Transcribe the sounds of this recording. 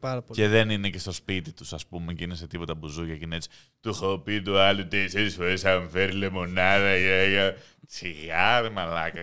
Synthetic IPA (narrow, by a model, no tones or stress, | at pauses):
ɐɾɐce̞ðe̞ninece̞st̪o̞spit̪it̪u̥sɐspumecinese̞t̪ipo̞t̪ɐbuzuʝɐcinet͡si̥ | t̪uxopit̪uɐlut̪eselisfo̞ɾesɐɱfeɾilemo̞nɐðɐiɐjɐ | t͡siɣɐɾmɐlɐkɐ